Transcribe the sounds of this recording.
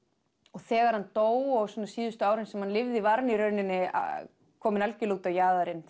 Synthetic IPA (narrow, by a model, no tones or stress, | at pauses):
ɔɣθɛːɣaɾ̥hant̪oːwɔwsɔːnasiːðʏst̪ʏaːwɾɛnsɛmhanlɪvðɪvaɾniɾœɥnɪnːɪa̰ | kʰɔːmɪnalcɪluːt̪awjaːðaɾɪn